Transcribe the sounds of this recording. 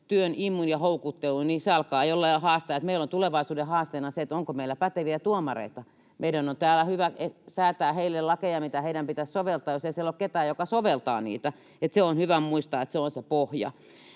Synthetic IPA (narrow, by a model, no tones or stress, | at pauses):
t̪yønimːunjɑhoukut̪ːeluniseɑlkɑːejolːɑɑhɑːst̪ejɑt̪meilont̪uleʋɑisuːdehɑːst̪eːnɑseet̪oŋkomeilːˑæpæt̪eʋiæt̪uomɑrḛit̪ɑ | mʔeidænont̪æːlːæhyʋæesæːt̪æːheilːellɑkejɑmit̪æheidæmpit̪æssoʋelt̪ɑːjoseiselːokket̪æːjokɑsoʋelt̪ɑ̰ːnḭːt̪æ | et̪seonhyʋæmuist̪ɑet̪seonsepohjɑ̰